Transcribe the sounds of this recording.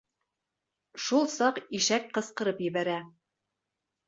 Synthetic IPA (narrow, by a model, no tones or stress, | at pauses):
ʃulˠsɑqiʃæk̚qɤ̆sqɤ̆ɾɤpjɘ̆βæɾæ